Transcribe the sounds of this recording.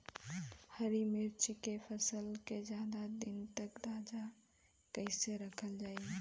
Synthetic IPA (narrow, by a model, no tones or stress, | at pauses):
həɾimɪɾt͡ʃkepʰəsəlked͡ʒjaːd̪ad̪ɪnt̪əkd̪ad͡ʒa | kəɪseɾəkʰəld͡ʒaːi